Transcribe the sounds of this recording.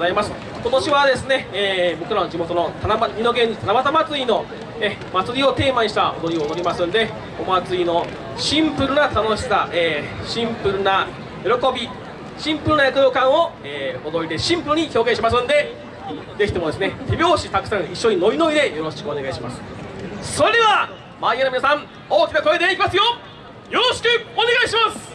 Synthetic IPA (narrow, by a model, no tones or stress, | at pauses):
zaimasɨ̥ | ko̞t̪o̞ɕiβad̪e̞sɨne̞ːbo̞kɯɾanod͡ʑimo̞t̪o̞no̞t̪ʰanamamʲino̞ɡẽ̞ɲ̟ːit̪anabat̪amat͡sɨino̞ | e | mat͡sɨɾʲio̞t̪e̞ːmaɲiɕit̪ao̰d̪o̞ɾʲio̞noɾʲimasɨ̃nd̪e̞ | omat͡sɨino̞ | ɕĩmpɯ̟ɾɯ̟nat̪ano̞ɕi̥saʔeːɕĩmpɯ̟ɾɯ̟na | jo̞ɾo̞ko̞bʲi | ɕĩmpɯ̟ɾ̟najakɯ̟jo̞ːkãɰ̃o̞ | eːod̪o̞ɾid̪e̞ɕĩmpɯ̟ɾɯ̟ɲ̟iço̞ːɡẽɕimas̬ɨ̃nd̪e̞ | d̪e̞kʲit̪e̞mo̞d̪e̞sɨne̞t̪ʰe̞bʲo̞ːɕit̪akɯ̟sãɰ̃iɕːo̞ɲ̟ino̞ɾʲino̞id̪e̞joɾo̞ɕkɯone̞ɡaiɕimasɨ̥so̞ɾe̞d̪eβa | maijanomʲinasãm | oːkʲinako̞ed̪e̞ikʲimasɨjo | jo̞ɾoɕi̥kɯ̟one̞ɡaiɕimasɨ̥